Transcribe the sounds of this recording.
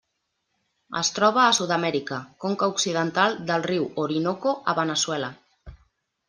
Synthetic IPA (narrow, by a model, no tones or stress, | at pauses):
ə̰st̪ɾɔβ̞aːsuðamɛɾikakoŋkauksiðənt̪ald̪əlriwoɾinokoʔaβənəswɛla